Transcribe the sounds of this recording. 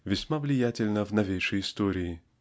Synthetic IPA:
vʲɪsʲmavlʲɪjatʲɪlʲnəvnɐvʲejʂəjɪst̪oɾʲɪː

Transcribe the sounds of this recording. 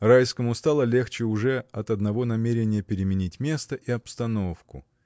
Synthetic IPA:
rajskəmʊst̪alˠəlʲe̞xt͡ɕɪʊʐɛɐt̪ɐd̪nɐvo̞nɐmʲeɾʲɪnʲɪjəpʲɪɾʲɪmʲɪnʲitʲmʲe̞st̪əʔiɐpst̪ɐno̞fkʊ̰

